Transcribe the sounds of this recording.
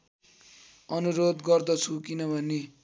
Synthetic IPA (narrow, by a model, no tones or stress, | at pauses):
ʌnuɾod̪ɡʌrd̪ʌt͡sʰukinʌbʱʌne